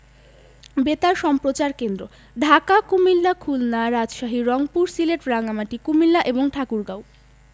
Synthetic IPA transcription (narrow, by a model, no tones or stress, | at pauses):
bet̪aɾʃɔmpɾot͡ɕaɾkend̪ɾo | ɖʱakakumilːakʰulnaɾad͡ʑʃaɦiɾɔŋpuɾsileʈɾaŋamaʈikumilːaʔeboŋʈʰakuɾɡaw